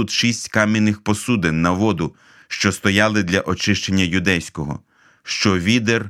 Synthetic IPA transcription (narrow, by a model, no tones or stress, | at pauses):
ut̪ʃisʲtʲkɑmʲinɪxpɔsud̪ɪnːɐʋɔd̪ʊ | ʃt͡ʃɔst̪ɔjɑlˠɪd̪lʲɐʔɔt͡ʃɪʃt͡ʃenʲːɐjʊd̪ɛjsʲkɔɦɔ̰ | ʃt͡ʃɔʋʲid̪er